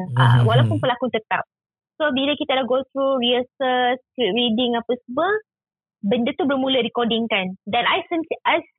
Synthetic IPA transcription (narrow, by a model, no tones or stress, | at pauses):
a̰walawpunpəlakut̪ət̪a̰p̚ | sobilakit̪adaɡot̪ɾuɹiəsəskɾit̚ɹidɪŋapəsəbə | bəndət̪ubərmũladikɔdɪŋkandɛ̃najsĩmsiʔajs